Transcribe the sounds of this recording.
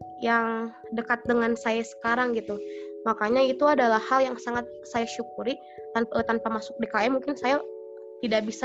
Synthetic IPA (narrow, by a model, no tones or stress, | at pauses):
jaŋ | dəkat̪̚dəŋansajasə̥kaɾaŋɡit̪umakaɲait̪uadalahaljaŋsaŋat̪̚sajaʃukuɾi | t̪ant̪anpamasʊk̚dekaɛmuŋkɪnsaja | t̪idaʔbisa